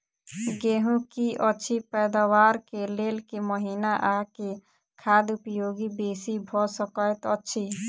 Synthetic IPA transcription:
ɡeːɦũkiʔətːʃʰipɛːd̪awaːɾkeleːlkeməɦiːnaʔake | kʰaːd̪ʊpjoːɡibeːsibʱɔsəkəet̪ətːʃʰi

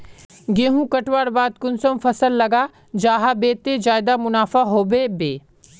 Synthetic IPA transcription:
ɡẽːɦũkɐʈwaːɽbaːd̪kʊnsəmfɐsəlːɐɡa | d͡ʒaːɦabeːt̪ed͡ʒaːɪd̪amʊnaːfaɦoːbeːbeː

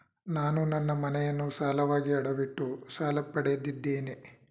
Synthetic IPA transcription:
naːnunɐnːɐmɐnɛjɐnːusaːlɐʋaːɡiɐɽɐʋiʈːusaːlɐpːɐɽɛjɐd̪ːid̪ːeːne

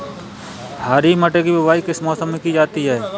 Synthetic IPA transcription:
haːɾimɐʈekibɪbaːikɪsmɔːsəmːekid͡ʒaːt̪iɦɛː

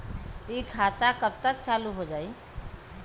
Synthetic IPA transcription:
ikʰat̪akəb̚t̪ək̚t͡ʃaluɦod͡ʒai

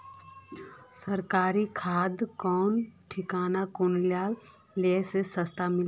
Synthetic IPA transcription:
səɾkaːɾikʰaːd̪kɔːnʈʰɪkaːnakʊnljaːlː | esesəst̪amɪl

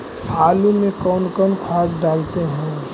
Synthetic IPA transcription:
aːlumẽkɔːnkɔːnkʰaːsɖaːlt̪eɦɛ̃ː

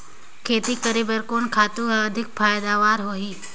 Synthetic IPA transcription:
kʰeːt̪ikəɾiːbəɾkoːnkʰaːt̪ũɦɛɐd̪ʱɪk̚fʰaːjd̪aːʋaːɾɦoːɦiː

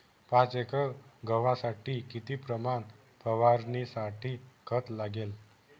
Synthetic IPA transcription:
pãt͡sekəɡʱəʋãsaʈiːkit̪iːpɾəman | pəʋaɾnisaʈʰiːkʰət̪laɡel

